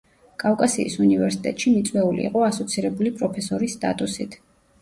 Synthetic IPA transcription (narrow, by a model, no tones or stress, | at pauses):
kʼafkʼasḭːsunivɛɾsi̥t̪ʼɛ̰t̪ʼʃinit̪sʼwɛulḭḭqʼɔasɔt̪sʰiɾɛbulipʼɾɔpʰɛsɔɾisːt̪ʼa̰t̪ʼusit̪ʰ